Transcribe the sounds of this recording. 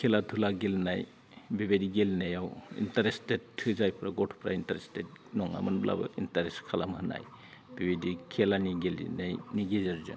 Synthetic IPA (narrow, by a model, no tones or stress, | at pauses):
kʰelatʰulaɡelnaj | bibediɡelnajawḭntaɾestethʰɯzajpʰɾaɡɔtʰpʰɾa̰intaɾestet̚nɔŋa̰mɯnbla̰bɯ̰ʔintaɾeskʰalamhɯna̰j | b̥ibedikʰelaniɡelḭnejniɡezeɾzɯ̰n